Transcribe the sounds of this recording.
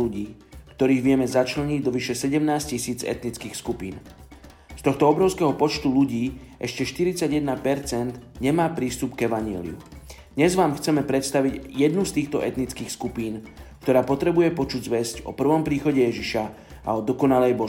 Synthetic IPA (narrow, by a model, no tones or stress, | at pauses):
uɟiː | kt̪ɔɾiːɣʋɪɛmɛzat͡ʃlɛɲiɟd̪ɔʋiʃɛsɛɟɛmnaːscisiːd͡zɛ̰t̪nit͡skiːxskupiːn | st̪ɔxt̪ɔɔbɾɔʊskɛɦɔpɔt͡ʃt̪uluɟiːʔɛʃcɛʃt̪iɾit͡saɟjɛd̪napɛɾt͡sɛnd̪ɲɛmaːpɾiːst̪upɡɛʋaɲɪɛ̰lḭṵd̪̥ɲɛzʋaːmxt͡sɛmɛpɾɛt̪st̪aʋiɟjɛd̪nust̪iːxt̪ɔʔɛt̪nit͡skiːxskupiːnk̚t̪ɔɾaːpɔt̪ɾɛbujɛpɔt͡ʃuɟzʋɛscɔ̰pr̩ʋɔmpɾiːxɔɟɛjɛʒiʃa | ʔa̰ɔd̪ɔkɔnalɛjbɔ